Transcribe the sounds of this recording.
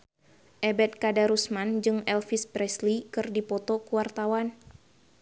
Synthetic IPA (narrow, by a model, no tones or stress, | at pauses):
ʔɛbɛt̪̚kadaɾusmand͡ʒɨŋɛlfisbɾɛslikɨrdipɔt̪ɔkuwart̪awan